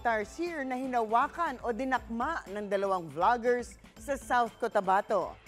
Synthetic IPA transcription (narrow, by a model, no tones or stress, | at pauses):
t̪ɐɹsiɹnɐhɪnɐwaːkɐnʔod̪ɪnɐk̚maʔnɐŋd̪ɐlɐwaŋblaɡɛɹsː | ɐsawθkot̪ɐbat̪o̞